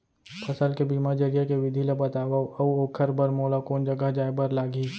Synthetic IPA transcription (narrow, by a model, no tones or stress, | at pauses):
pʰɐsəlkebiːmad͡ʒɐɾijakeʋɪd̪ʱilebət̪aːʋaoːkʰəɾbɐɾmoːlakoːnd͡ʒɐɡəɦd͡ʒaːebɐɾlaːɡiː